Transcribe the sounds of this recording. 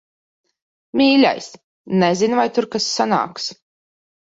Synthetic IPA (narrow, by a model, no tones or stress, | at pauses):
mʲiːlʲa̰js | nɛzinvajt̪uɾkasːana̰ːks